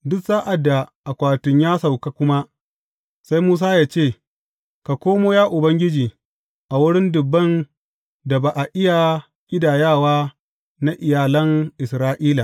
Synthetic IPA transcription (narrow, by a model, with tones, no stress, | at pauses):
dʊ˦ksaː˦ʔa˨dːa˨ʔa˨kʷaː˨tʊ˨ɲjaː˦sa˨wka˦kʷʊ˦ma˦ | sa˦jmuː˦s̬aː˦jaː˦t͡ʃeː˦˨ | ka˨kʷoː˦moː˦jaː˦ʔʊ˨bɐ˦ŋɡʲɪ˦d͡ʒiː˨ | ʔa˨wʊ˦ɽɪ˦ndʊ˨bːɐ˦˨n | da˨baː˨ʔa˨ʔɪ˦ja˨ | kʲʼɪ˦daː˨jaː˦˨waː˦ | na˦ʔɪ˨jaː˨lɐ˦ŋʔɪ˨sɾaː˦ʔiː˦la˨